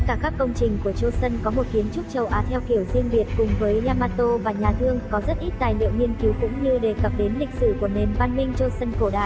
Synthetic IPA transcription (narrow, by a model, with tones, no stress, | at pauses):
kaː˧˩kaː˦˥kːə˧wŋ͡mt͡ɕï˨˩ŋ̟ku˧˩ət͡ɕo˧sə˧nkɔ˨˦mo˨˩t̚xi˨˦ənt͡ɕʊ˦˥k͡p̚t͡ɕə˨˩wʔaː˨˦t̪ʰɛ˧wxi˧˩əwzi˧əŋvi˨˩ət̚kʊ˨˩ŋ͡mvəː˨˦jlaː˧maː˧t̪o˧vaː˨˩ɲaː˨˩t̪ʰɨ˧əŋkɔ˨˦zə˦˥t̚ʔi˦˥t̚t̪aː˨˩jlḭ˧˨ə˨wŋi˧ənki˨˦wkʊ̰˧˥ŋ͡mɲɨ˧ɗe˨˩kə˨˩p̚ɗe˨˦nlï˨˩k̟̚sɨ˧˩ku˧˩əne˨˩nvaː˧nmï˧ŋ̟t͡ɕo˧sə˧nko˧˩ɗa̰ː˧˨